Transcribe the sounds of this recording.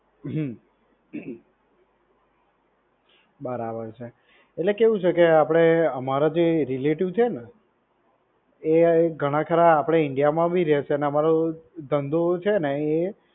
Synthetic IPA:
ɦ | bəɾabəɾt͡ʃʰe | eʈlekeʋũt͡ʃʰekeapɽ̃eəmaɾad͡ʒeɾileʈiʋt͡ʃʰena | eɡʱəɽ̃ãkʰəɾaapɽ̃eɪɳɖijamãbʱiɾɛʃeneəmaɾod̪ənd̪ot͡ʃʰenee

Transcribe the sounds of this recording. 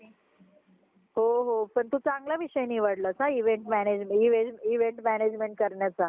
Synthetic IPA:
ɦoɦopəɳt̪ut͡saŋɡlaʋiɕəjniʋəɽləːt͡saiʋeɳʈmæned͡ʑmiʋeiʋeɳʈmæned͡ʑmeɳʈ̚kəɾɳjat͡sa

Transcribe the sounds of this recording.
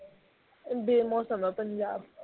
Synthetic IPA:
m̩bemɔsamapan̩ja

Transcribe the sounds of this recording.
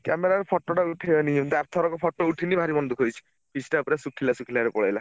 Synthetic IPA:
kɛmeɾaɾpʰɔʈːɔʈauʈʰeɔnid̪aɾt̪ʰɔɾɔkɔpʰɔʈːouʈʰinibʱaɾibɔnd̪ukʰojt͡ʃʰi̥ | pʰisʈapɾasukʰilasukʰilaɾepɔɭajla

